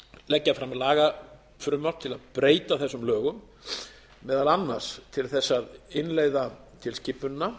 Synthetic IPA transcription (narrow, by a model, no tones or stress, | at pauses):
lɛcːafɾamaðlaːɣa | fɾʏmḁt̪ʰɪlaðpɾeːjt̪aθɛsːʏmlœːɣʏm | mɛːðalanːaɾ̥st̪ʰɪlθɛsːaðɪnleːɣðat̪ʰɪlscɪpːʏnnːa